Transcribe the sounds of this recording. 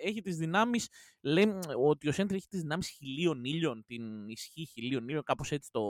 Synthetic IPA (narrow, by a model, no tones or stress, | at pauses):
e̞çit̪izðinɐmis | lejot̪io̞sent̪iɾe̞çi̥t̪izðinɐmisçilio̞niʎo̞nt̪inisçiçilio̞niʎo̞ŋkɐpo̞se̞t͡si̥t̪o̞